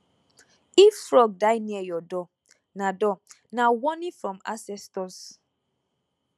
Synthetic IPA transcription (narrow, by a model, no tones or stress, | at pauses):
ifːɹɔɡ̚dajniɛjɔdɔ | nadɔ | nawɔnĩfɹɔ̃ma̰sɛstɔs